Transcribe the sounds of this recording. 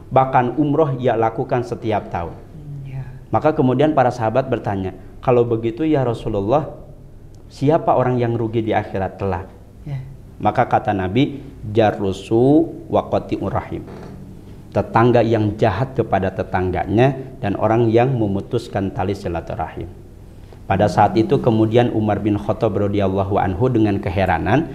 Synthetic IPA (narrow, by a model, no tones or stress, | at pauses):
bahkanumɾɔɦijalakukansət̪iap̚t̪aʊn | makakəmudianpaɾasaɦabat̪̚bərt̪aɲa | kalawbəɡit̪ujaɾɔsululːɔh | siapaʔoɾaŋjaŋɾuɡidiaxiɾat̪ːəla̰ | makakat̪anabid͡ʒarusuwʔakɔt̪iʔurahɪ̰m | t̪ət̪aŋɡajaŋd͡ʒaɦat̪̚kəpadat̪ət̪aŋɡa̰ɲadanʔo̰ɾaŋjaŋməmut̪uskant̪alisilat̪ura̰hɪ̰m | padasaːt̪it̪ukəmudianʔṵmarbɪnxɔt̪ɔbrɔdialˠːɔɦuʔa̰nɦudəŋankəɦeɾa̰nan